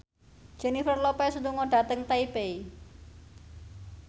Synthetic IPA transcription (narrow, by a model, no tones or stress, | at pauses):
d̥ʒ̥ɛ̤nifərlɔpɛsut̪uŋɔɖ̥a̤t̪əŋt̪aipei